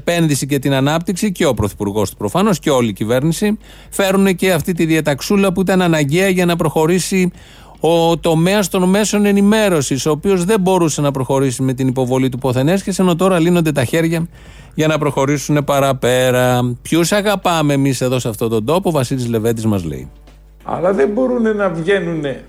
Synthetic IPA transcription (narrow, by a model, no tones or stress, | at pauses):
pe̞nðisice̞t̪inɐnɐp̚t̪iksice̞o̞pɾo̞θi̥puɾɣo̞st̪u̥pɾo̞fɐno̞sce̞o̞liːcive̞ɾnisi | fe̞ɾunece̞ɐft̪it̪iðiɐt̪ɐksulɐpuit̪ɐnɐnɐɲɟe̞ɐʝɐnɐpɾo̞xo̞ɾisi | ot̪o̞me̞ɐst̪o̞nme̞so̞ne̞nime̞ɾo̞siso̞ːpio̞zðe̞bo̞ɾuse̞nɐpɾo̞xo̞ɾisime̞t̪inipo̞vo̞lit̪upo̞θe̞ne̞sçeseno̞t̪o̞ɾɐlino̞nd̪e̞t̪ɐçe̞ɾʝɐ | ʝɐnɐpɾo̞xo̞ɾisune̞pɐɾɐpe̞ɾɐpçusɐɣɐpɐmeːmise̞ðo̞seɐft̪o̞t̪o̞nd̪o̞povɐsilizle̞ve̞d̪izmɐzlḛḭ | ɐ̰lɐðembo̞ɾune̞nɐvʝe̞nune̞